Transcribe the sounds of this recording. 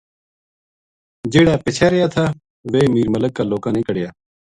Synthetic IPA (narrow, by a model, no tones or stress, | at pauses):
d͡ʒeːɽaːpɪt͡ʃʰaːɾɪjaːt̪ʰaː | ʋeːmiːɾmələkːaːloːkãːnĩːkəɽɪjaː